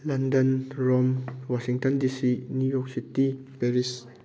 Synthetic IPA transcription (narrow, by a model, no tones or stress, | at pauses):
lãndə̃nɹɔmwɔʃĩŋt̪ə̃ndisinujɔksiti | pɛɹis